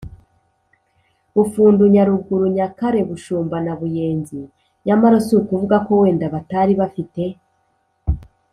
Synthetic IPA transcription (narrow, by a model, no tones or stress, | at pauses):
βufuːnduɲaɾuɡuɾuɲakaɾe̞βuʃuːmbanaβuje̞ːnzi | ɲamaɾosiukuvuɡako̞we̞ːndaβataɾiβafite̞